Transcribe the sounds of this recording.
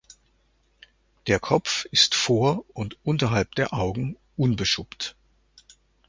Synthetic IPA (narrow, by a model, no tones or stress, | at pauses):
d̥eːɐkʰɔpp͡fɪstfoːɐʊntʔʊntɐɦalp̚d̥eːɐʔaʊɡŋ̩ | ʔʊnbəʃʊpt